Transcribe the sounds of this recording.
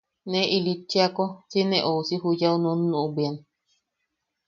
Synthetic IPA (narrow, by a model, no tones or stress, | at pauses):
nẽʔilit͡ʃːeakot͡sinẽʔousiɦujaunũnːũʔubian